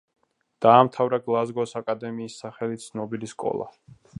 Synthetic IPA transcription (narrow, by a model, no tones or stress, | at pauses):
d̪̥aːmt̪ʰavɾaɡlˠazɡɔsakʼad̪ɛmiːsːaχɛlit̪sʰnɔbiliskʼɔ̰lˠa̰